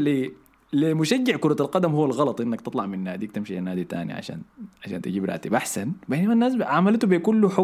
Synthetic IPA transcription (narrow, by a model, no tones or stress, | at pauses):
li | limʊʃad͡ʒːɪʕkʊɾˤɑalqɑd̪amhuːalɣɑlɑt̪ˤʔɪnːakt̪ɨt̪ˤlɑʕminːaːd̪iːkt̪ɪmʃianːaːd̪it̪a̰ːnḭʕa̰ʃa̰ːnʕaʃaːnt̪ad͡ʒiːbɾˤɑ̰ʔt̪ibʔaħsanbenamanːaːs̬ʕamalt̪ubikulːuħʊ